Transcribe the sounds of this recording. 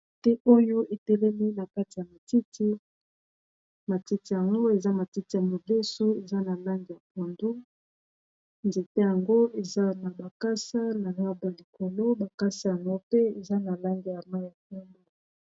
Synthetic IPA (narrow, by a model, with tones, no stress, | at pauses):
tɛ˦ʔo˦jo˦ʔe˨tɛ˦lɛ˦mi˦na˨ka˦ti˨ja˨ma˨ti˦tʰi˦ | ma˨ti˦ti˦ja˨ŋɡo˦e˨za˦ma˨ti˦ti˦ja˨mo˨de˦so˦e˨za˦na˨la˦ŋɡi˦ja˨po˨ndo˦ | nze˨te˦ja˨ŋɡo˦e˨za˦na˨ba˨ka˦sa˦na˨ŋa˦ba˨li˨ko˨lo˦ba˨ka˦sa˦ja˨ŋɡo˦pe˦e˨za˦na˨la˦ŋɡi˦ja˨ma˦ja˨k̚u˦mboo˦